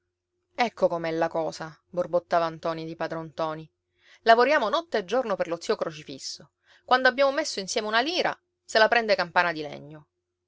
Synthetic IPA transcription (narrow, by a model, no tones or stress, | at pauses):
ɛkːokomɛlːakɔːsaborbot̪ːaːvant̪ɔːnid̪ipad̪ɾont̪ɔːni | lavoɾjaːmonɔt̪ːeed͡ʒːornoperlot̪siːokɾot͡ʃifḭsːo | kwand̪oabːjaːmomesːoinsjɛːmeunaliːɾa̰ | selapɾɛnd̪ekampaːnad̪ilɛ̰ɲːo